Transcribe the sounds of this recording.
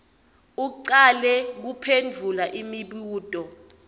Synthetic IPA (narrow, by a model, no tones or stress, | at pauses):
uǃalɛk̬upʰend͡vʱulaʔimiɓuːtʼɔ